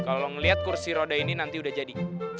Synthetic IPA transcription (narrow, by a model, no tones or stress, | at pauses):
kaloŋəliɦat̪̚kursiɾodaininant̪iudahd͡ʒadi